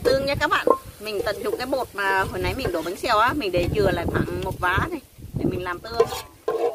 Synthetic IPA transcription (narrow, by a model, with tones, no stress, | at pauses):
t̪ɨ˧əŋɲa˧˦˥kaː˦˥k̚ɓa̰ː˧˨nmï˨˩ŋ̟t̪ə˨˩nzʊ̰˨˩ŋ͡m̚kaː˨˦jɓo˨˩t̚maː˨˩ɦo˨˧˨jna˨˦jmï˨˩ŋ̟ɗo˨˩ɓa˨˦ŋ̟sɛ˧˩˨wʔaː˨˧˦mï̟˨˩ɗe˧˩t͡ɕɨ˨˩əla̰ː˧˨jxwaː˧˩ŋmo˨˩t̚vaː˨˦t̪ʰi˨˧˩jt̪ʰe˨˩mï˨˩ŋ̟laː˨˩mt̪ɨ˧əŋ